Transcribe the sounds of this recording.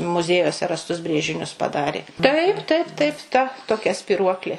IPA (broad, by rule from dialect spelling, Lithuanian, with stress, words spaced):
mʊˈzʲiɛjuɔsʲɛ rɐsˈtʊs ˈbʲrʲeːʒʲɪnʲʊs pɐˈdɑːrʲeː ˈtɐɪp ˈtɐɪp ˈtɐɪp ˈtɐ toːˈkʲɛ sʲpʲɪˈruɔklʲeː